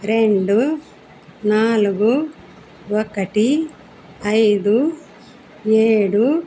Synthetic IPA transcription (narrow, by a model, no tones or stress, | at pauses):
ɾe̞ɳɖu | naːluɡu | wɔkɐʈi | ɐjd̪u | eːɽu